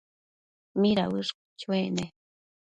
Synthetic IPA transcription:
miɾawɨʂk | t͡ʃuene

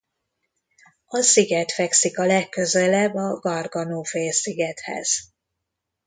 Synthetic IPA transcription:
ɒsiɡɛt̪fɛksikɒlɛkːøzɛlɛbːɒɡɒrɡɒnoːfeːsiɡɛt̪hɛ̰z̥

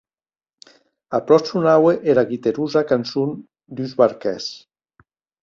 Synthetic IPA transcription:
apɾɔsunaweʔeɾaɣit̪eɾuzakansun | d̪yzβaɾkɛs

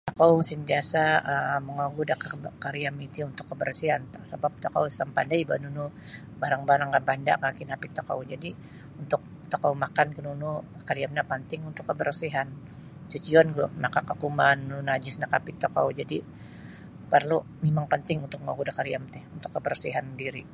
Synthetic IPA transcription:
t̪akawsint̪iasaəməŋaɡudakakaɾiamit̪iunt̪ʊkːəbərsiɦansabap̚t̪okawsampa̰ndaiba̰nunu | baɾaŋbaɾaŋɡabanda̰kaakinapit̪aka̰wd͡ʒadi | unt̪ʊk̚ | t̪akawmakankənunukaɾiamnapənt̪ɪŋunt̪ʊkːəbərsiɦan | t͡ʃut͡ʃiɔnɡunakakakumannunad͡ʒɪsnakapit̪okawud͡ʒadi | pərlu | memaŋpənt̪ɪŋunt̪ʊk̚mŋa̰ɡudakaɾiamt̪ɛhunt̪ʊkːəbərsiɦandiɾi

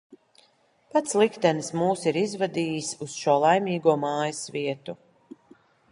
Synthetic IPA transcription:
pat̪slˠikt̪ɛnsmuːsiɾizvad̪iːjisusʃuɔlˠajmiːɡuɔmaːjasviɛt̪u

